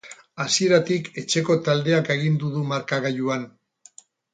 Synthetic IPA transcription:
asie̞ɾat̪ike̞t͡ʃe̞ko̞t̪ald̪e̞ake̞ɣ̞ind̪uðumaɾkaɣajuan

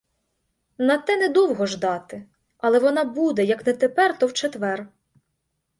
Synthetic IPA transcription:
nɐt̪ɛnɛd̪uwɦɔʒd̪ɑt̪ɪ | ɐlˠɛʋɔnɑbud̪ɛjɐknɛt̪epɛrt̪ɔwt͡ʃet̪ʋɛr

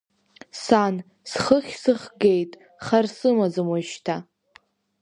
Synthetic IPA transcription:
san | sχəχʲsɨχɡe̞jtʼ | χarsɨmazɨmwaʃtʰa

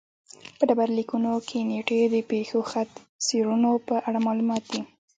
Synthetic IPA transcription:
pəɖabaɾlikunokʰeneʈed̪əpexoxat̪ | seɾunopəʔaɽamɑlumɑt̪̚d̪i

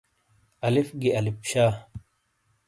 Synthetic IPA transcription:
ɐlifɡiɐlipɕaː

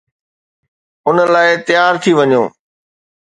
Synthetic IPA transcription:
ʊnəlaːɪt̪ɪjaːɾt̪ʰiʋɐɲo̰ː

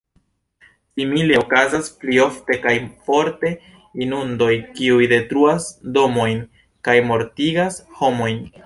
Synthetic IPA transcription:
simile̞okazasplio̞fte̞kajfo̞ɾte̞ | inundo̞jkiujde̞tɾuasdo̞mo̞jn | kajmo̞ɾtiɡasho̞mo̞jn

